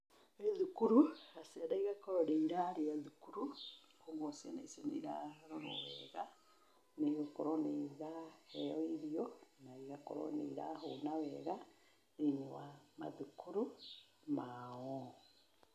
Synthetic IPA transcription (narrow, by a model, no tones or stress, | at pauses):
eðukuɾuasiadaiɣakɔɾɔɾeiɾaɾeaðukuɾu | koŋɡosianaisenḛiɾaɾɔɾɔ̰wɛɣa | neɣokɔɾɔneðahɛɔeɾiɔnaiɣakɔ̰ɾɔ̰nḛɾaɦonawɛɣa | ðeɲewama̰ðukʰuɾu | maɔ